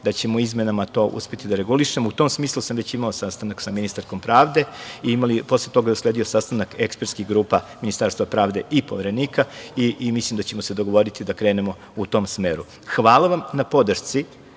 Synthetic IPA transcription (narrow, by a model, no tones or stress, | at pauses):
d̪at͡ɕe̞moizme̞namat̪o̞ːʔṵspe̞t̪id̪aɾe̞ɡuliʃemout̪o̞ːmsmiːslˠusamʋe̞t͡ɕimaosast̪anaksaminist̪aɾko̞mpɾaːʋd̪e̞iimalipo̞slˠet̪o̞ɡauslˠed̪io̞sast̪anakekspeɾt̪skiɡɾuːpaminist̪aːɾst̪ʋapɾaːʋd̪e̞ʔipoʋeɾe̞niːkaiʔimislimd̪at͡ɕemo̞sed̪oɡoʋo̞ɾit̪id̪akɾe̞ːne̞mo̞ | ut̪o̞ːmsmeːɾu | xʋaːlˠaʋamnapo̞d̪r̩ʃt̪si